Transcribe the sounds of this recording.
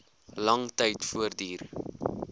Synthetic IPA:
lɐŋtəjtfuərdiːr

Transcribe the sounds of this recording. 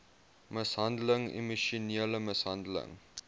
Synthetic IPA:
məsɦɐndələŋḭmiʃuniələməsɦɐndələ̰ŋ

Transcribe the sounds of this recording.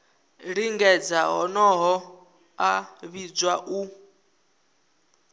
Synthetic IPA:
ɺiŋɡɛd͡zaɦɔ̰nɔɦɔ | aβid͡zwaʔu

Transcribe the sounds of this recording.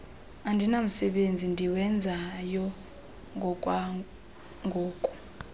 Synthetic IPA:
andʱinam̩sɛɓend͡zʱindʱiwɛnd͡zʱajɔ | ŋɡʱɔkʼwa | ŋɡʱoːkʼu̥

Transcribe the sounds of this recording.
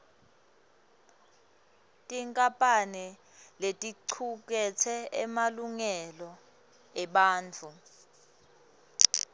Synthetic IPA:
tʼiŋkʼapʼanɛ | letʼiǀʰuk̬ɛt͡sʰɛɛmaluŋɛlɔ | ɛɓaːnt͡fʰu

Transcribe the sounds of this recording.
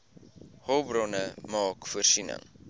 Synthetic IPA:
hɔlbrɔnəmɑːkfuərsinə̰ŋ

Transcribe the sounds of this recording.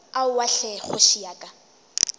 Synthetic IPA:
aʊwaɬɛχʊʃijaːkʼa

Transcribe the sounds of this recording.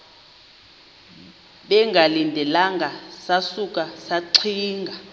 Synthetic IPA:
ɓɛŋɡʱalindʱɛlaŋɡʱasasuk̬ʼasaǀʰiːŋɡʱa

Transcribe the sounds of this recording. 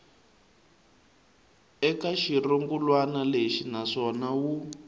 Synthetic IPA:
ɛkaʃiroŋɡulwanaleʃinaʂɔnawu

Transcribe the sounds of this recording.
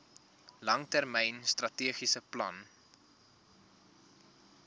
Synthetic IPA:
lɐŋtærmɛjnst̪rɐtiəχisəplɐ̰n

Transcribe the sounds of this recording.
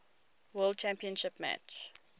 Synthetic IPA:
wɜlˠd̚t͡ʃæ̃mpiə̃nʃɪpmæ̰t͡ʃ

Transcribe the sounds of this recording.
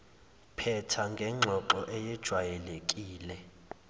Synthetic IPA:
pʰɛtʰaŋɡʱɛŋ͡ǁʱɔǃɔʔɛjɛd̥ʒ̥ʱwajɛlekʼiːlɛ

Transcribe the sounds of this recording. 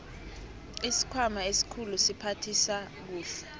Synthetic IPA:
isi̥kʰwamaesi̥kʰulusipʰatʰisa | k̬uːɬɛ

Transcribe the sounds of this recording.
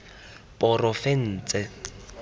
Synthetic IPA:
pʼɔrɔfɛn̩ːt͡sʼɛ

